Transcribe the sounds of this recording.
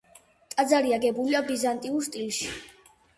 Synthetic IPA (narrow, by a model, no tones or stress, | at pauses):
t̪ʼad̪zaɾiaɡɛbuliabizant̪ʼiuɾst̪ʼilʃi̥